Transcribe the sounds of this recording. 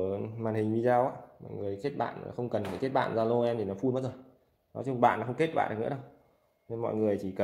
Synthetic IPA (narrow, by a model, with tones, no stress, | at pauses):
maː˨˩nhï˨˩ŋ̟vi˧zaː˧wʔaː˧˦mɔ̰˧˨jŋɨ˨˩əjt͡ɕe˦˥t̚ɓa̰ː˧˨n˨˩xə˧wŋ͡mkə˨˩nfaː˨˩jt͡ɕe˦˥t̚ɓa̰ː˧˨nzaː˧lo˧ʔɛ˧mt̪ʰi˨˩nɔ˨˦fu˧nmaː˨˦t̚zə˨˩j | nɔ˨˦t͡ɕʊ˧ŋ͡mɓa̰ː˧˨nːɔ˨˦xə˧wŋ͡mke˦˥t̚ɓa̰ː˧˨nɗknɨ̰˧˥ə˦ɗə˧w | mɔ̰˧˨jŋɨ˨˩əjt͡ɕʰi˧˩kə˨˩